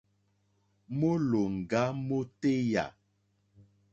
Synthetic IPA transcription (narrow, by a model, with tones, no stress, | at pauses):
mo˦lo˨ŋ̩˨ɡa˦mo˦te˦ja̰˨